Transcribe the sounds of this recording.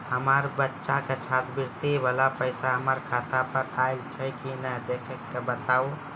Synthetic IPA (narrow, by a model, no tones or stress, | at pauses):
həmaːɾbətːʃakat͡ʃʰaːt̪bɪɾt̪eʋaːlapəɪsaɦəmaːɾkʰaːt̪apəɾaːɪlt͡ʃʰɛkinɛd̪ekʰəkːebət̪aːo